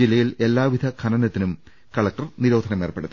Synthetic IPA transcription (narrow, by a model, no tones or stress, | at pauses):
ilːɐjile̞lːaːʋid̪ʱɐkʰɐnɐnɐt̪ːinum | kɐɭɐk̚ʈɐrniɾo̞ːd̪ʱɐnɐme̞ːrpe̞ɽu